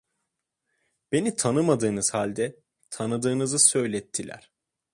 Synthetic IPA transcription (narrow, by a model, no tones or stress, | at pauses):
b̥e̞nit̪ʰanɯmad̪ɯːnɯz̥halʲd̪ɛ | t̪ʰanɯd̪ɯːnɯzɯsø̞jlʲɛt̪ʰːilʲæ̰ɾ̥